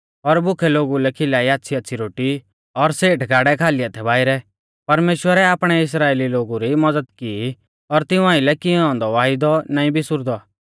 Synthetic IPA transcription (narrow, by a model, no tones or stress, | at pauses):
ɔɾbʊkʰɛloːɡulɛkʰɪlaːiaːtːsʰiɐtːsʰiɾoːʈi | ɔɾseːʈɡaːɽɛkʰaːlɪjat̪ʰɛbaːɪɾɛ | pɐɾmeːʃwəɾɛaːpɽ̃ɛɪs̬ɾaːeːliloːɡuɾimɐd͡zəd̪ki | ɔɾt̪ɪũãːɪ̃lɛkɪɔ̃ːnd̪ɔʋaːɪd̪ɔnaːĩbʱisʊɾd̪ɔ